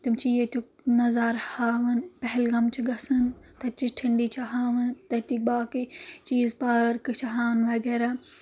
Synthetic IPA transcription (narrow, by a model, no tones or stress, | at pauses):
t̪umt͡ʃijet̪uk | nɐzaːɾhaːʋɐnpɐɦɪlɡɐmt͡ʃʰiɡɐsɨnt̪ɐt͡ʃiʈʰiɳɖiːt͡ʃʰaɦaːʋɨnt̪ɐt̪ik̚baːkit͡ʃiːzpɐɾkɨt͡ʃʰɐɦaːnʋɐɡeːɾaː